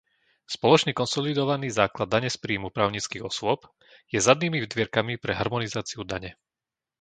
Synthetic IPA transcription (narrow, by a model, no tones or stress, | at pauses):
spɔlɔt͡ʃniːkɔnsɔlid̪ɔʋaniːzaːklad̪ːaɲɛspɾiːmupɾaːʊɲiːt͡skiːɣɔsʊɔp | jɛzad̪niːmivd̪ʋɪɛɾkamipɾɛɦaɾmɔnizaːt͡siud̪aɲɛ